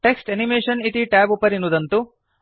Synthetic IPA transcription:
ʈeksʈenimeːʂɐnit̪iʈæːbupɐɾinːud̪ɐnt̪u

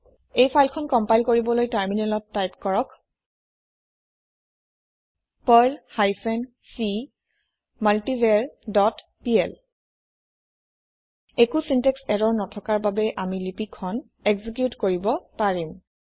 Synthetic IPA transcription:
ejpʰajlkʰɔnkɔmpajlkoɹibɔlojtaɹminɛlɔtːajpkɔɹɔk | pɔjlhajpʰɛn | si | maltivɛɹdɔt | piɛl | ekusintɛksɛɾɔɹnɔtʰɔkaɹbabɛʔamilipikʰːɔn | ekzik̬jutkoɹibɔpaɹim

